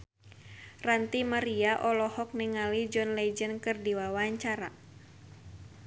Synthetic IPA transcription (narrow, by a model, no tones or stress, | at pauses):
rant̪imaɾiaʔɔlɔhɔk̚niŋalid͡ʒɔnlɛd͡ʒənkɨrdiwawaaɲt͡ʃaɾa̰